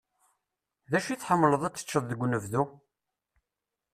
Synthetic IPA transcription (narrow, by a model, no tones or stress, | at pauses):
ðæʃiθħəmːləðˤæt͡sːə̥t͡ʃːəðˤðəɡʷːnəvðu